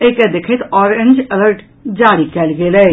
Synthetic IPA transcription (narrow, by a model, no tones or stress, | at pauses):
eːked̪ɪkʰet̪ɔːɾẽnd͡ʒeləɾʈ | d͡ʒaːɽikɛːlɡelɛː